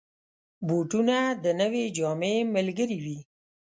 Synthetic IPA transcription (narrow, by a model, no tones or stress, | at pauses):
boʈunad̪ənəwed͡ʒɑmeməlɡəɾiwi